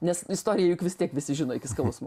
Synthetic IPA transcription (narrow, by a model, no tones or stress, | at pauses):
nʲɛsɪst̪oːɾʲɪjɛjʊkʋʲɪst̪ʲiɛkʋʲɪsʲɪʒʲɪnoːɪkʲɪskɐlʊsmo